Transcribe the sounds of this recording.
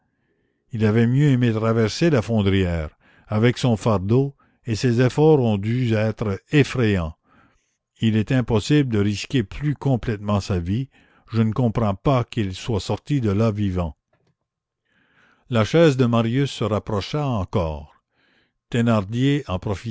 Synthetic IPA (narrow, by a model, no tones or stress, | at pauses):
ilavɛmjøemet̪ʁavɛʁselafɔ̃d̪ɾijɛːʁ | avɛksɔ̃faʁd̪o | esezefɔːʁɔ̃d̪yɛt̪ɾəefɾejɑ̃ | ilɛt̪ɛ̃pɔsibld̪əʁiskʲeplykɔ̃plɛt̪mɑ̃savi | ʒənəkɔ̃pʁɑ̃pakilswasɔʁt̪id̪əlavivɑ̃ | laʃɛːzd̪əmaʁjysːəʁapɾɔʃaɑ̃kɔ̰ːʁ | t̪enaʁd̪jeɑ̃pɾɔfi